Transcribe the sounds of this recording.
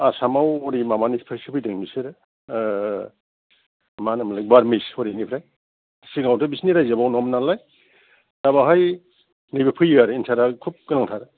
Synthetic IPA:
asamawɔɾimamanipʰɯjsɯpʰɯjdɯŋmisɯɾɯ | manɯmlajbaɾmisɔɾinipʰɾaj | siɡawtɯbisniɾajzabawnɔmnalaj | dabaɦaj | nijbepʰɯjaɾɯinsaɾakʰup̚kɯnaŋtʰaɾɯ

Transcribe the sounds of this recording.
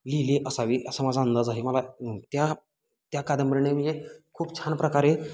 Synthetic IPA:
liliʔəsaʋiːʔəsəmad͡zaənd̪əd͡zaɦiməlat̪ja | t̪jakad̪əmbəɾɳeʋid͡ʑekʰuːpt͡ɕʰanpɾəkaɾe

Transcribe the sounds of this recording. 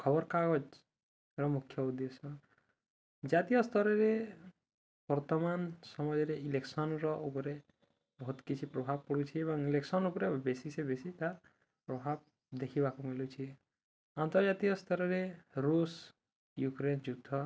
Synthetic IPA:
kʰɔbɔɾkaɡɔd͡ʒ | ɾɔmukʰjɔud̪esɔ | d͡ʒat̪ijɔst̪ʰɔɾɔɾe | b̥ɔɾt̪ɔmansɔmɔjɔɾeileksɔnɾɔʔupɔɾe | bɔɦut̪kit͡ʃʰipɾobʱab̚kɔɽut͡ʃʰiebɔŋileksɔnupɔɾebesisebesit̪a | pɾobʱab̚ | d̪ekʰibakumilut͡ʃʰie | ant̪ɔɾd͡ʒat̪ijɔst̪ʰɔɾɔɾeɾus | jukɾend͡ʒud̪ʱɔ

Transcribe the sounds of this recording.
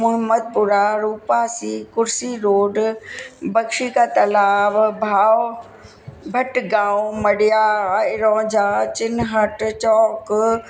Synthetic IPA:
mʊɦɪmːəd̪̚pʊɾaɾuːpasiːkʊɾsiɾoːɖ | bɐkʃikat̪ɐlaːbbʱaːw | bʱɐʈɡãːwʊmɐɽijaɪɾɔ̃ːd͡ʒat͡ɕɪnɦɐʈt͡ʃɔːk

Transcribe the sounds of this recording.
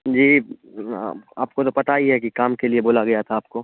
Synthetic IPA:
d͡ʒḭː | a̰ːpkot̪opɐt̪aiɦɛkikaːmkelieboːlaɡɐjat̪ʰaːp̚koː

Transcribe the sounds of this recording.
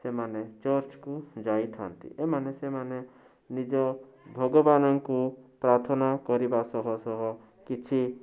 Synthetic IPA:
semanet͡ʃɔɾt͡ʃkud͡ʒait̪ʰa̰nt̪ḭʔemanesemane | nid͡ʒɔ | bʱɔɡɔbanɔŋkupɾaɾt̪ʰɔnakɔɾibasɔɦɔsɔɦɔ | kit͡ʃʰi

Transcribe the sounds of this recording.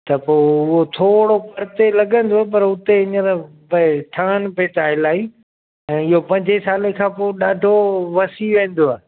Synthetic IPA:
t̪ɐpoːʊɦot̪ʰoːɽopɐɾɪt̪elɐɡʱə̃nd̪op̬ɐɾʊt̪eɪɲəɾ | bɐʈʰãːnpeːt̪aːɦɪlaːi | ɛ̃ːɪɦopɐ̃ɲd͡ʑʱesaːlekʰãːpoːɗaːɖʱoʋɐsiʋẽːn̆d̪oaː

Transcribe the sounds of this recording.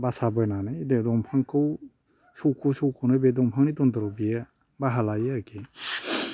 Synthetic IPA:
basabɔjnanɯjdedɔmpʰaŋkʰɯw | sowkʰusowkʰuwnɯbedɔmpʰaŋnidɔndɔɾɔbija | baɦalajeaɾke

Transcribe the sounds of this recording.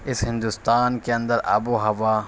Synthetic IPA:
ɪsɦɪ̃nd̪ust̪aːnkeɐ̃nd̪əɾʔɐ̰buɦɐʋaː

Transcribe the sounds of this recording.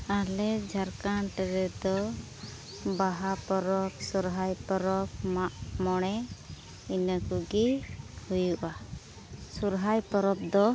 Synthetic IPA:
alɛd͡ʒʱaɾkanʈɛɾɛd̪ɔ | baɦapɔɾɔp̚suɾɦajpɔɾɔp̚maʔmɔɽ̃ɛ | inəkuɡɛhujuʔa | suɾɦajpɔɾɔp̚d̪ɔ

